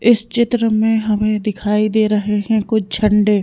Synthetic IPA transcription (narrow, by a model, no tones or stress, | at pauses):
ɪst͡ʃɪt̪ɾəmẽɦɐmẽd̪ɪkʰaːid̪eːɾɐɦeɦɛ̃kʊt͡ʃʰt͡ʃʰɐ̃ɳɖeː